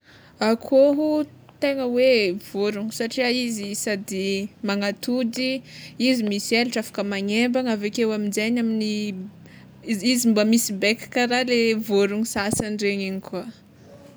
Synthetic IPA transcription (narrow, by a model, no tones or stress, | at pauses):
akʰoɦu | t̪eŋəwev̥oɾuɲisaʈ͡ʂiaizisad̪imaŋat̪ud̪iizimisieluʈ͡ʂafḁkəmaɲembaŋavekewaminzajnamini | zizimbamisibekkaɾalevoɾuŋisasanɖ͡ʐeɲiɲikua